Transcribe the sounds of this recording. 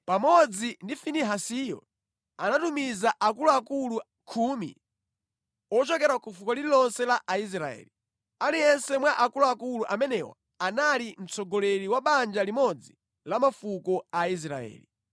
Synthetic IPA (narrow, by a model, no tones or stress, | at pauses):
pamɔd͡zindifiniɦasijɔ̰ | anatumizaʔakuluakulu | kʰumḭ | ɔt͡ʃɔkɛɾakufukɔliɾilɔnsɛlaʔais̬ɾaɛ̰ːli | alijɛnsɛmwaʔakuluakuluʔamɛnɛwa̰ | analim̩t͡sɔɡɔlɛɾiwaɓand͡ʒalimɔd͡zi | lamafukɔais̬ɾa̰ɛ̰ːli